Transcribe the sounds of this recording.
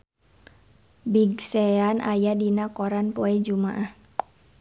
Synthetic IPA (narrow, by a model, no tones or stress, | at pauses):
biɡsɛanʔa̰jadinakɔɾanpoɛd͡ʒuma̰ʔah